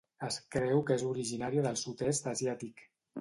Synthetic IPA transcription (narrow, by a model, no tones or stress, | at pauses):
əskɾɛwkezuɾiʒinaɾiəðəlˠsut̪ɛst̪əzjat̪ik